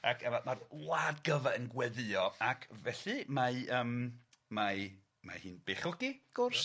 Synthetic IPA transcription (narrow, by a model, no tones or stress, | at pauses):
akʰɛvamarlaːdɡəvaənɡwɛðɨɔakʰvɛɬɨmaəːm | ma | ma̰hɨːnb̥eχʊɡiɡ̥ʊrs